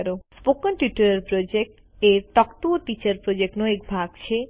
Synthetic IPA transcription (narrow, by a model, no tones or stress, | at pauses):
ɾospokɔnʈuʈuɾɐɾpɾod͡ʑek̚ʈ | eɾʈɔkʈuoʈit͡ɕɐɾpɾod͡ʑek̚ʈnoekbʱaɡt͡ɕʰe